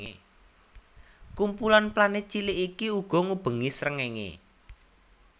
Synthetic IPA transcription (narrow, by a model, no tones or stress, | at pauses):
kumpulanplanɪt͡ʃilɪʔikiuɡ̥ɔ̤ŋub̥ə̤ŋisɾəŋeŋḛ